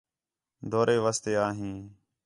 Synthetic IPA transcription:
d̪ʱoːɾeːʋəst̪eːaːɦĩː

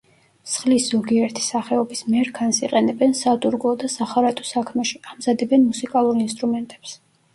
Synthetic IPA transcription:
sχlisz̥ɔɡiɛɾt̪ʰi̥saχɛɔbismɛɾkʰansiqʼɛnɛbɛnsat̪ʼuɾɡɔd̪asaχaɾat̪ʼɔ̥sakʰmɛʃiamzad̪ɛbɛnmusikʼalˠuɾinst̪ʼɾumɛnt̪ʼɛ̥ps

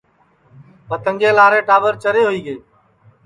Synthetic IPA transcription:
pət̪əŋɡeːlaːɾẽːʈaːʋəɾt͡ʃəɾeːɦoiːɡeː

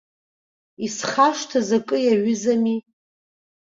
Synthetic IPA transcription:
isχaʂtʰazakʼɨjaɥʏzami

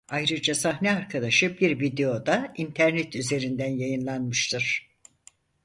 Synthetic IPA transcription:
ajɾɯd͡ʒasaɦnɛaɾkʰad̪aʃɯbiɾvid̪eo̞d̪aint̪ʰæɾnɛt̪yze̞ɾind̪ænjajɯnlˠanmɯʃt̪ʰɯɾ̥

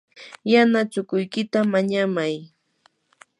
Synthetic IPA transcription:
janat͡ʃʊkʊjkɪt̪amaɲamaj

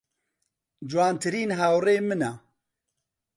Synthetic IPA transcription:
d͡ʒwaːnt̪ʰɨɾiːnɦaːwreːmɨna

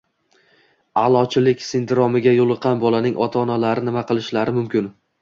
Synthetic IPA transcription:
alˠɒt͡ʃʰɪlɪkʲsɪnd̪ɪɾɒmɪɡʲajolˠɨqʰːɑnbɒlanɪŋʔɒt̪ʰaːnalaɾɪnɪmaqɨlˠɪʃlaɾɪmʊmkʲɪn

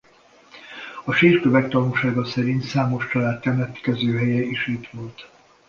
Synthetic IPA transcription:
ɒʃiːrkøvɛk̚t̪ɒnuːʃaːɡɒsɛɾint̪saːmo̞ʃt͡ʃɒlaːt̪kɛmɛt̪kɛzøːɦɛjɛiʃit̪ʋo̞lt̪

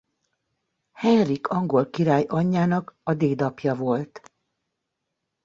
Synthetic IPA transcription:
hɛnrikɒŋɡo̞lkiɾaːjʔɒɲːaːnɒkɒd̪eːd̪ɒpjɒvo̞lt̪

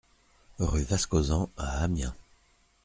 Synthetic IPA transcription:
ʁyvaskozɑ̃aːmjɛ̃

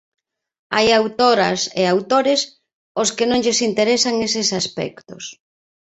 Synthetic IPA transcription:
a̰jawt̪oɾɐ̰seawt̪oɾɪs | oskɪnõŋʎɪsint̪eɾesaŋesɪsaspɛ̰kt̪ʊ̰s

